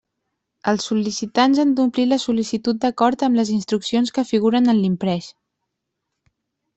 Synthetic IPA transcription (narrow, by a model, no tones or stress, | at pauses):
əlˠsːulisit̪anzand̪umpliləsulisit̪ut̪̚d̪əkɔɾt̪əmləzinst̪ɾuksionskəfiɣuɾənənlimpɾɛʃ